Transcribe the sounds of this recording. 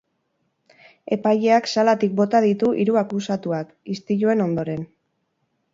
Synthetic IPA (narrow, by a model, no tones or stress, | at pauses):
e̞paje̞aksalat̪ik̚bo̞t̪aðit̪uʔiɾuakusat̪uak | ist̪iʎue̞no̞nd̪o̞ɾe̞n